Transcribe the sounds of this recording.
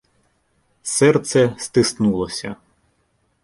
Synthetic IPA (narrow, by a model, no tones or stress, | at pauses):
sɛrt̪sɛst̪ɪsnulˠɔsʲɐ̰